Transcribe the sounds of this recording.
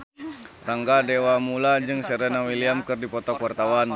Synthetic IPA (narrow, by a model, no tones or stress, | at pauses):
raŋɡadɛwamulad͡ʒɨŋsɛɾɛnawiliamkɨrdipɔt̪ɔkuwart̪awan